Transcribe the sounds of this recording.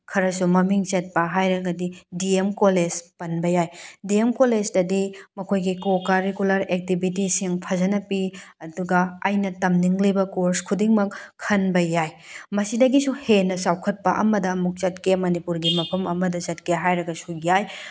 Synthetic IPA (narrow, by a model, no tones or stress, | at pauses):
kʰɐɾɐsumɐmiŋset̚pɐɦajɾɐɡɐdidiemkoled͡ʒpɐnbɐjajdiemkoled͡ʒdɐdimɐkʰojɡikokaɾeɡulɐɾek̚tibʱitisiŋpʰɐzɐnɐpiɐduɡɐːjnɐtɐmniŋlibɐkoɾskʰudiŋmɐkʰːɐnbɐjaj | mɐsidɐɡisuhenɐsawkʰɐt̚pɐʔɐmɐdɐmuk̚t͡ʃɐt̚kemɐnipuɾɡimɐpʰɐmɐmɐdɐsɐt̚keɦajɾɐɡɐsujaj